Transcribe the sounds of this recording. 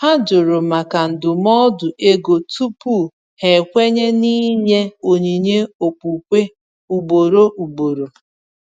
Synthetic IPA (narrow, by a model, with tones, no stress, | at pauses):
ha˦d͡ʒo˨ɾo˨ma˨ka˨n̩˨dʊ˨mɔ˦dʊ˨ʔe˦ɡo˨tu˦pu˦˨ | he˨kʷe˦ɲe˦ni˦ɲe˦o˨ɲi˨ɲe˦o˨k͡pu˨kʷe˦ | u˨ɡ͡bo˨ɾo˦ʔu˨bo˨ɾo˨